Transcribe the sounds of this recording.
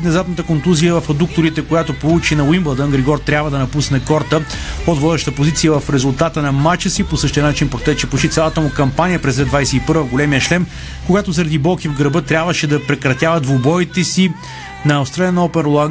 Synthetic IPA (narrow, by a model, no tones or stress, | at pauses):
t̪nɛzat̪nət̪əkont̪uzijəvɐfɐd̪uk̚t̪oɾit̪ɛkojat̪opolˠut͡ʃinɐwimblˠd̪ənɡɾɛɡɔɾt̪ɾʲabvəd̪ɐnɐpusnɛkɔɾt̪əod̪vɔd̪ɛʃt̪əpozit̪sijəvɐfɾɛzʊlˠt̪at̪ənɐmat͡ʃəsiposɤʃt̪ijənat͡ʃinpɾot̪ɛt͡ʃɛpoʃit̪sʲalˠət̪əmukɐmpanijəpɾɛzɛd̪vajsɛipɤɾvəvɡolɛmijəʃlɛm | koɡat̪ozəɾɐd̪ibɔlˠkʲivɡɾəbɤt̪ɾʲjabvəʃɛd̪ɐpɾɛkɾɐt̪javɐd̪vobɔit̪ɛsi | nɐːst̪ɾaliənɔpɛɾlˠaŋ